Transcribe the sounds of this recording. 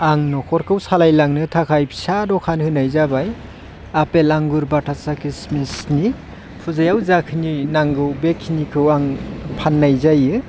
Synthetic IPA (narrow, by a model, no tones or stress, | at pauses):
aŋnɔkʰɔɾkʰɯwsalajlaŋnɯtʰakʰajpʰsadɔkʰanhɯnajzabaj | apelaŋɡuɾbatʰasakismisni | pʰuzajawzakʰɯninaŋɡɯwbekʰːinikʰɯwaŋpʰanːajzajɯ